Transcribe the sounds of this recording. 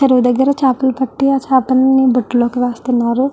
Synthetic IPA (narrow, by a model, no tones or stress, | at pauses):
t͡ʃɐɾuʋud̪ɐɡːɐɾɐt͡ʃaːpɐlɐpɐʈːiaːt͡ʃaːpɐlɐnːibɐʈːlo̞ːkiʋaːst̪unːaːɾu